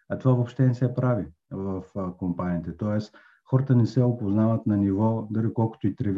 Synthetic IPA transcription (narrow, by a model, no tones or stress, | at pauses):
ɐt̪ovavopʃt̪ɛnɛsɛpɾavi | vəfkompaniːt̪ɛt̪ɔɛs | xɔɾət̪ənɛsɛopoznavət̪nɐnivɔd̪aɾikɔlˠkʊ̥t̪oit̪ɾɛv